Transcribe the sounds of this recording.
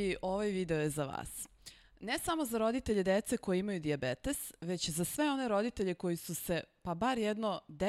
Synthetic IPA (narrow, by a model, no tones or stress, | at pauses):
iʔo̞ʋajʋiːd̪eojezaʋa̰ːs | nesamo̞zaɾo̞d̪it̪eʎe̞d̪et̪seko̞jeimajud̪iabet̪e̞sʋe̞t͡ɕzasʋe̞o̞ne̞ɾo̞d̪it̪e̞ʎe̞ko̞jisuse̞pabaɾjed̪no̞d̪e